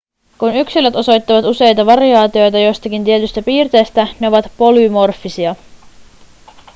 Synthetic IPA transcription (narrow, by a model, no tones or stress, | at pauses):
kunyksiløt̪o̞so̞jt̪ːɑʋɑt̪use̞jt̪ɑʋɑriɑːt̪io̞jt̪ɑjo̞jst̪ɑkint̪ie̞t̪yst̪æpiːrt̪e̞ːst̪æne̞o̞ʋɑt̪po̞lymo̞rfːisiɑ